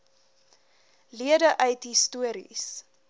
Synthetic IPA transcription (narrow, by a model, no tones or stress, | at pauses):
liədəʔœɥtɦistuəɾḭs